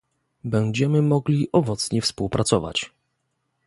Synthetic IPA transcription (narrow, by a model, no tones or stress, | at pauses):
bɛɲd͡ʑɛmɘmɔɡlʲiʔɔvɔt̪sɲɛfspuwpɾʔat̪sɔva̰t͡ɕ